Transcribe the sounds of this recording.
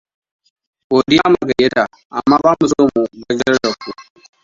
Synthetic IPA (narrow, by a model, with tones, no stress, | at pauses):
koː˨dɪ˦jaa˦ma˨ɡɐ˨je˦ta˨ | ʔa̰˨mːaː˦baː˦mu˨so˦mu˨bɐ˦ɡɐ˦ɽdɐ˨kːu˨